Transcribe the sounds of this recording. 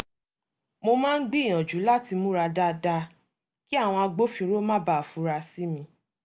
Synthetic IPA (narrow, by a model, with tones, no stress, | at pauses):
mo˧mãː˦˧n̩˦ɡ͡bi˦˨j̃ɔ̃˨d͡ʒu˨˦la˦ti˧mũ˦ɾa˧da˧da˧ | ki˦a˦˨w̃ɔ̃˧a˧ɡ͡bo˦fĩ˧ɾo˦mã˦ba˨fũ˨˦ɾa˧si˦mĩ˧